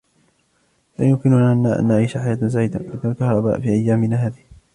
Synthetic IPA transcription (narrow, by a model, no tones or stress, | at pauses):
laːjʊmkɪnʊnaːʔanːaʔa̰nːaʕijːʃaħajaːt̪nzaːɪd̪aʔɪd̪alkɑhɾˤɑba̰ːʔfiːʔajːaːmɪnaːɦaːðɪh